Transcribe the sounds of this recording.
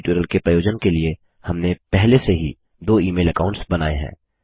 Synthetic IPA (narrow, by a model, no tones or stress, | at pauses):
ʈuːɾəlkepɾɐjoːd͡ʒənkelie | hɐmnepɛɦleseɦi | d̪oːiːmeːlɐkaːʊ̃ɳʈsbɐnaːeɦɛ̰̃ː